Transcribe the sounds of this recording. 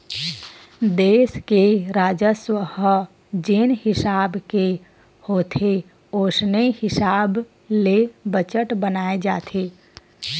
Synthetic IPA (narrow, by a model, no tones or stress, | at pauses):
d̪eːskeɾaːd͡ʒəswəɦ | d͡ʒenhɪsaːbke | hoːt̪ʰe | oːsnehɪsaːb | lebət͡ʃəʈbənaːed͡ʒaːt̪ʰe